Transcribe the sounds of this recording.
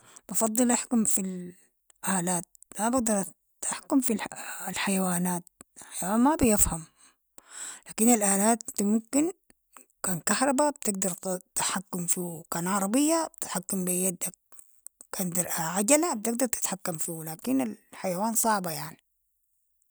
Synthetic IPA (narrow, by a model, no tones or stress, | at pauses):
b̥ɑfɑd̪ˤːɨlʔaħkʊmfil | ʔaːlaːt̪̚ | mabaɡ̚d̪ɑɾˤ | t̪ʔaħkʊmfilħajawaːnaːt̪̚lħajwaːnmabijafham | laːkinalʔaːlaːt̪mʊmkin | kaːnkahɾˤɑbab̚t̪ɪɡ̚d̪ɑɾˤt̪aħakːumfikaːnʕɑɾˤɑbɪjːabt̪ħakːambijad̪ːak̚ | kaːnd̪ɪɾʔaʕaɟalab̚t̪ɪɡ̚d̪ɑɾˤt̪ɪ̥t̪ħakːamfiːwlaːkinalħajawaːnsˤɑʕbajaʕni